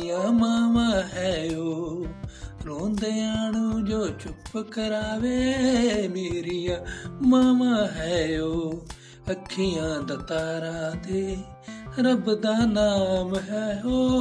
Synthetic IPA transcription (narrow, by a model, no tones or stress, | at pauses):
jãːmaːʋãːɦɛːjoː | ɾõːnd̪eːaːɳũːd͡ʒoːt͡ʃʊpkəɾaːʋeːmeːɾɪjãːmaːʋãːɦɛːjoː | əkʰːɪjãːd̪ət̪aːɾãːd̪eː | ɾəbd̪aːnaːmɦɛːjoː